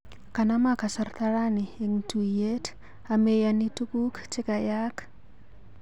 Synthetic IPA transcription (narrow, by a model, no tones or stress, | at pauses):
kanamakasart̪aɾanieŋtujet | amejanitukukt͡ʃekajak